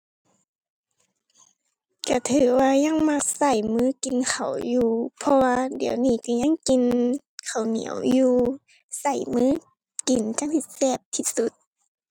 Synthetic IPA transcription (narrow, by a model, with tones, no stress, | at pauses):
ka˧˩t̪ʰɯː˨˩˦waː˧ɲa˧˥˨ŋŋma˧˨k̚sa˧˩jmɯː˧˥˨ki˨nkʰa˨˩wjuː˧pʰɔ˧waː˧di˨˩əwniː˧˩˨ka˧˩ɲa˧˥˨ŋki˨n | kʰa˨˩wnḭ˨˦əwjuː˧ | sa˧˩jmɯː˧˥˨ | ki˨˩nt͡ɕa˧˥ŋsʰi˧t̪̚sɛː˧˩p̚t̪ʰi˧su˧˦t̪̚